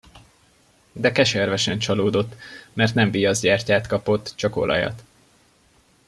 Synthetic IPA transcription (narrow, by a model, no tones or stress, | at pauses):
d̪ɛkɛʃɛrvɛʃɛnt͡ʃɒloːd̪o̞t̪ːmɛrt̪nɛɱvijɒzɟaːrcaːt̪kɒpo̞t̪ːt͡ʃɒko̞̰lʔɒ̰jɒ̰t̪